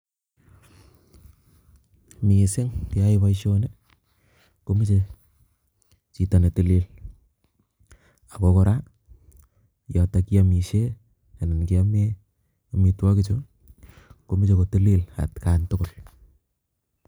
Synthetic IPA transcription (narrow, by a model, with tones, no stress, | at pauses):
mi˨sɪ˦ŋti˨aipa˦ʃone | komi˦t͡ʃe | t͡ʃi˨ta˨ne˨tɪ˨li˦l | a˨ko˨ko˦ɾa˦ | ja˨ta˨ki˦ami˨ʃe˦ | a˨ne˨nki˨ame | komitwa˦kɪt͡ʃo | komi˦t͡ʃe˨ko˨ti˦li˦la̰˨tkantʊkʊ˨l